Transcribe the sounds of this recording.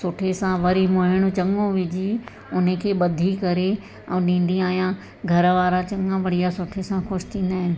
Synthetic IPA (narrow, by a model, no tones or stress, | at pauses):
sʊʈʰesãʋɐɾimoɦɪɽ̃ʊt͡ɕɐ̃ŋõʋɪd͡ʑi | ʊn̤əkʰeːɓɐd̪ʱikɐɾe | ɛ̃ːɗĩːn̆d̪ĩaːijã | ɡʱɐɾəʋaːɾãt͡ɕɐ̃ŋãʋɐɽijasʊʈʰesãxʊʃt̪ʰĩːn̆d̪aːɦɪnɪ̆